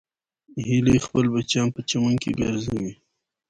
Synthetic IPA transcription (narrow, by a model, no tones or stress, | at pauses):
hilixpəlbat͡ʃɑnpət͡ʃamaŋkḛɡə̰ɾzawi